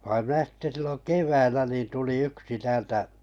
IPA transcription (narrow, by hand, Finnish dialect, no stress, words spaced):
ʋɑim̆ minæ sitːe silːon keʋæilːæ ni tuli yksi tæːltæ